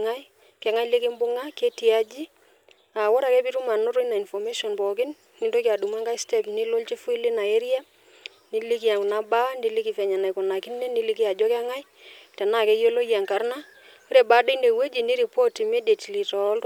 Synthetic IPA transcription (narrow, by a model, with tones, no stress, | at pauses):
ŋa˦j | kɛ˨ŋa˦jlɪ˦kɪ˦mbʊ˦ŋa˦ke˦ti˨a˦d͡ʒi˦ | a˨wɔ˦ɾa˨kɛ˦pi˦ɾu˦ma˨nʊ˦ɾo˦jna˨i˨nfɔ˨me˦ʃɔ˨npɔ˨k̬ɪ˦n | kɪ˨ndo˦ki˨a˨du˨ma˦ŋɡa˦jstɛ˦pni˦lo˦lt͡ʃi˦fu˦ɪ˦lɪ˦na˨e˦ɾi˦a˦ | ni˦li˦k̬i˦a˨kʊ˨na˦ba˦ndi˦li˦ki˨fɛ˨ɲa˨na˨jkɔ˨na˨kɪ˦ne˦ni˦li˦ki˦a˨d͡ʒɔ˦kɛ˦ŋa˦j | tɛ˨na˦˨kɛ˦jo˦lo˦ja˨ŋka˨˦ɾna˦ | o˦ɾe˨ba˨˦de˦nde˨we˦d͡ʒi˨ni˦ɾi˨po˦ti˨me˦de˨tli˨tɔ˨˦l